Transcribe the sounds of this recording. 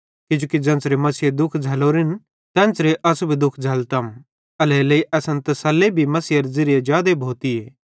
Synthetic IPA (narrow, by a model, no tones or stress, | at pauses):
kɪd͡ʒoːkid͡zɐ̃nt͡sɾemɐsied̪ʊkʰd͡zʱɐloːɾɪn | t̪ɛ̃ːnt͡sɾeʔɐsubʱid̪ʊkʰd͡zʱɐlt̪ɐm | ɐlɛːlɐiʔɐsɐnt̪ɐsɐlːebʱimɐsiːɐɾzɪɾɪjed͡ʒjaːd̪ebʱoːt̪ieː